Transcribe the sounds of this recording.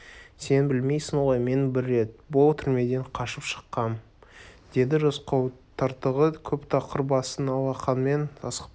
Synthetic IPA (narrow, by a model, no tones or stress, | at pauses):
se̞nbɪlme̞jsɪnoojme̞nbɪɾːe̞t̪̚bʊlˠt̪ʰʏɾme̞d̪e̞ɴqʰɑʃəpʃə̥qːɑm | d̪̥e̞d̪ɪʒosqɑwt̪ʰɑɾt̪əʁəkʲʰɵpt̪ʰɑqəɾbɑsənɑlˠɑqɑnme̞nɑsə̥q